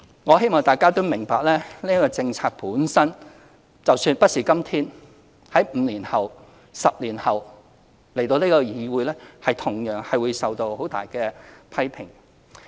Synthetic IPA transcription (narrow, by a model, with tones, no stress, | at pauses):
ŋɔː˨˧ɦe˥jmɔː˨˩ŋt̪aː˨jkaː˥t̪o˥wmɪ˨˩ŋpaː˨k̚lɛː˥niː˥kɔː˧t͡sɪ˧ŋt͡sʰaː˧k̚puː˨˥nsɐ˥n | t͡sɐ˨wsyː˧npɐ˥t̚siː˨kɐ˥mt̪ʰiː˥n | hɐ˨˥jm̩ː˨˧liː˨˩nhɐ˨w | sɐ˨p̚liː˨˩nhɐ˨w | le˨˩jt̪o˧niː˥kɔ˧jiː˧wuː˨˧jlɛː˥hɐ˨jt̪ʰʊ˨˩ŋjœː˨ŋhɐ˨jwu˨˧jsɐ˨wt̪o˧who˨˥wt̪a̰ː˨jkɛ˧pʰɐ˥jpʰɪ˨˩ŋ